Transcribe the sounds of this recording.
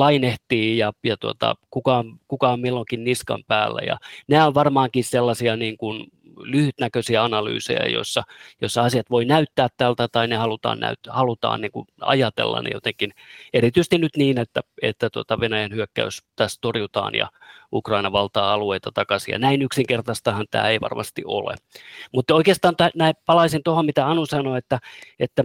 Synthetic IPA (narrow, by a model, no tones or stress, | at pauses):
lɑineht̪iːjɑjɑt̪uo̰t̪ɑ̰kukɑomkukɑommilːoŋkinniskɑ̰mpæːlːæ̰jɑ̰næːoʋʋɑrmɑːŋkisselːɑsiɑniːŋkun | lyhyt̪nækøsiæɑnɑly̰ːsḛjɑ̰jo̰sːɑjosːɑɑsijɑt̪ʋoinæyt̪ːæːt̪t̪ælt̪æt̪ɑinehɑlut̪ɑ̰ːnnæ̰yt̪hɑlut̪ɑ̰ːnniːŋkuɑ̰jɑt̪ḛlːɑ̰nḛjot̪eŋkinerit̪yse̥st̪inyt̪niːnet̪ːæḛt̪ːæt̪uot̪ɑʋenæjænhyøkːæ̰yst̪æst̪orjut̪ɑ̰ːnjɑ̰ukrɑinɑʋɑlt̪ɑːɑlueit̪ɑt̪ɑkɑsijɑ̰næinyksiŋkert̪ɑst̪ɑhɑnt̪æ̰ːeiʋɑ̰rmɑ̰st̪iʔo̰lḛmut̪ːoikeːst̪ɑːnt̪ænæipɑlɑisint̪ohommit̪æɑnusɑnoet̪ːæet̪ːæ